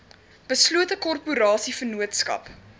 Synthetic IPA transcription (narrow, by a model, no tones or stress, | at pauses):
b̥əsluətəkɔrpuɾɑːsifənuətskɐ̰p